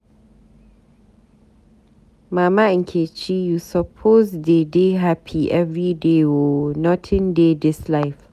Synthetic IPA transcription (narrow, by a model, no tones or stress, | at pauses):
mamaĩnkʰet͡ʃijusɔpʰozdedeɦapʰiʔɛvɹideɔnɔtʰĩndedɪslaɪf